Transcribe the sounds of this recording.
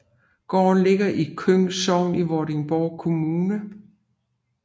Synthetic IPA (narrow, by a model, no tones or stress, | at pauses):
ɡ̥ɒ̰ːnle̝ɡ̥ɐʔikʰøŋ̰sɒʊniʋɒɾe̝ŋb̥ɒːkʰo̝muːnə